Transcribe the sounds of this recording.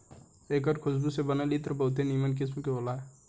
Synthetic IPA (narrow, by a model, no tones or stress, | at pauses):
eːkəɾkʰʊsbusebənalit̪əɾbəʊt̪̬eniːmənk̬ɪsmkeolaɦɛ